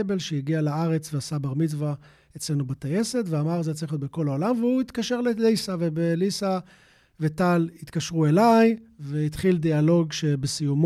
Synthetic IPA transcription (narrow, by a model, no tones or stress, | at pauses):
be̞lʃeiɡialaaʁe̞t͡sveasabaʁmit͡sva | et͡sle̞nubat̪aje̞se̞t̪veamaʁzeat͡saiχjot̪beko̞laolamveuit̪kaʃe̞ʁlelisavebelisa | vet̪alit̪kaʃʁue̞lajveit̪χild̪ialo̞ɡʃe̞besijum